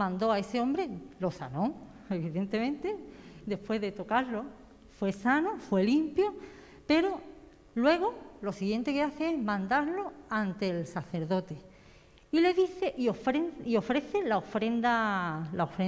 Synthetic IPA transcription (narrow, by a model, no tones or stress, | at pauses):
mãnd̪o̞ae̞seõ̞mbɾe̞lo̞sa̰nõ̞ŋ | e̞βiðe̞nt̪e̞mẽnt̪e̞d̪e̞hpwe̞ɦðe̞t̪o̞kaɾlo̞ | fwe̞sanofwe̞limpjo | pe̞ɾo̞ | lwe̞ɣ̞olo̞siɣje̞nt̪e̞keaθeezmãnd̪aɾlo̞ant̪e̞lsaθe̞ɾðo̞t̪e̞ | ile̞ðiθe̞ʔiofɾeio̞fɾe̞θe̞laofɾe̞nd̪alaofɾe